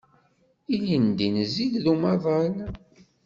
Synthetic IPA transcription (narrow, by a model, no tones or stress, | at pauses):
ilind̪inziʝðumɑðˤəl